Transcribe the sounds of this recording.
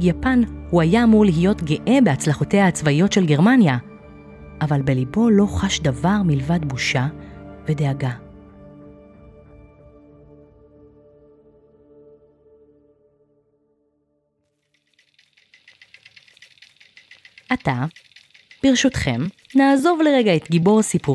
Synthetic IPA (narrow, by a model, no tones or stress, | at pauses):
ɡjapanhuajaːmuʁliɦijo̞tɡeʔe̞beat͡slaχote̞haːt͡svaijo̞tʃe̞lɡe̞ʁmanja | ʔavalbe̞libo̞lo̞χaʃdavaʁmilvadbuʃave̞de̞aɡa | ʔata | b̥iʁʃutχe̞mnaːzo̞vle̞ʁeɡae̞t̪ɡibo̞ʁsipu